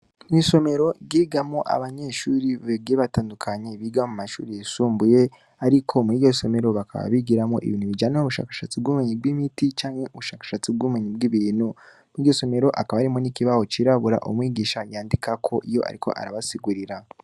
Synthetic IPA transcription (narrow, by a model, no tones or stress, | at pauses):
miso̞me̞ɾo̞ɡiːɡamoʔa̰βaɲe̞ʃuɾiβeɡeβataːndukʰaɲeβiːɡamumaʃṵːɾijisuːmbuje̞ | aɾikʰo̞miːɟo̞so̞me̞ɾo̞βaka̰βa̰βiɡiɾamo̞̰ʔḭβiːnhuβid͡ʒaneoβuʃa̰ːkḁʃat͡sibɡuːmeɲibɡimitit͡ʃaːŋhe̞uβuʃaːkḁʃat͡sib̚ɡuːmeɲib̚ɡiβinhu | miɟo̞so̞me̞ɾo̞ʔakaβaɾimonikiβaho̞t͡ʃiɾaβuɾa̰ʔumŋiːɡiːʃajaːndikakʰo̞ʔijo̞̰ʔa̰ɾikʰo̞̰ʔa̰ɾaβasiɡuɾiɾa